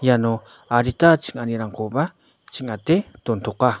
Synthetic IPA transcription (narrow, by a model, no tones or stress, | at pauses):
jano | aɾit̪at͡ʃi̥ŋaniɾaŋqoba | t͡ʃiŋatetont̪oqa